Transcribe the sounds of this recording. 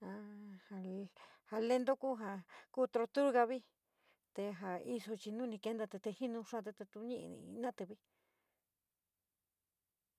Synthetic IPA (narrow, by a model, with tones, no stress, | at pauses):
a˧ha˧ | ha˧le˦nd̪o˦ku˦ɦa˧kuː˦t̪ɾo˧t̪u˦ɾɣa˧βi˦ | t̪e˧ɦa˨i˦so˧t͡ʃi˧nũ˦nĩ˧ke˧˦nd̪a˧t̪e˧t̪e˧hi˦nũ˧ʂã˦˧t̪̬e˧t̪e˧t̪u˧ɲẽ˦˧ʔḭ̃˧nã˦t̪ɨ˧βi˦